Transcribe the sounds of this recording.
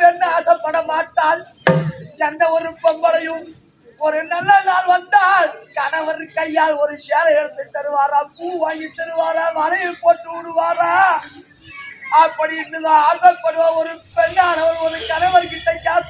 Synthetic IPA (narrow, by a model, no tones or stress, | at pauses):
ɛnːɐaːsɐpːɐɽɐmaːʈːaːl | ɛnd̪ɐɔɾɯpːɛmbɐɽɐjɯm | ɔɾɯnɐlːɐnaːlʋɐnd̪aːlkɐnɐʋɐɾkɐjːaːlɔɾɯseːɾɐjɛɽɯt̪ːɯt̪ːɐɾɯʋaːɾaːpuːʋaːjɪt̪ːɐɾɯʋaːɾaːmɐnɐjɐpːoːʈːɯʋɪɽɯʋaːɾaː | ɐpːɐɽiɪnːɯðɐaːɾsɐpːɐɽɯʋaːɔɾɯpɛɳːaːlɐʋɐɾɔɾɯkɐnɐʋɐɾkɪʈːɐjːaːl